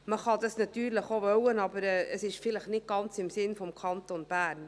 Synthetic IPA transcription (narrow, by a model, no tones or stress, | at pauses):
məχɑd̪ɑsnɑt̪yːɾləχovœwənɑbəɾɛəsɪʃfɪləχnɪt̚ɡ̥ɑnt͡sɪmsɪnfɔmkʰɑnt̪onb̥æːɾn